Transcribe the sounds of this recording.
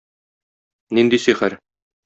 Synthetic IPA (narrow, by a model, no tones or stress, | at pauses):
nind̪isiχæɾ